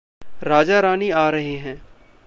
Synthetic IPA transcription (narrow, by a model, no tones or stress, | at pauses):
ɾaːd͡ʒaɾaːniaːɾɐɦeɦɛ̃ː